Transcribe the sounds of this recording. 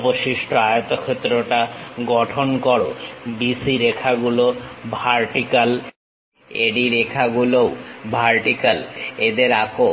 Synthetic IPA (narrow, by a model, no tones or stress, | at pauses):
boʃiʃʈoajot̪okʰet̪ːɾoʈaɡɔʈʰonkɔɽobisiɾekʰaɡulobʱaɾʈikal | eɖiɾekʰaɡulobʱaɾʈikaled̪eɾako